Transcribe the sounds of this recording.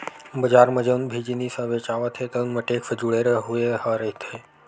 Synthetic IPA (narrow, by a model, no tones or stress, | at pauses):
bəd͡ʒaːɾməd͡ʒənbʱid͡ʒinisə̃ʋet͡ʃaʋət̪ʰet̪ənməʈeːkʰsəd͡ʒuɭeɾəɦuehaɾəɦit̪ʰe